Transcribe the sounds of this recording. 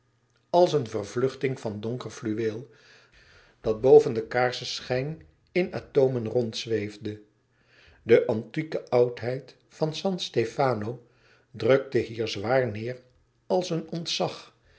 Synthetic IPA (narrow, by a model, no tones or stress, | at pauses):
ɑlˠsənvərvlɵχtɪŋvɑndʊŋkəɹflyʋeːlˠ | d̥ɑd̚bowvəndəkaːɹsəsχɛjn | ɪna̰ːtowmənrɔntsʋejvdə | dəʔɑntikəʔʌwtɦɛjt | fɑnsɑnstefaːnow | drøk̚təɦiːɹzʋaːɹnɪːɹ | ɑlˠsənɔntsɑχ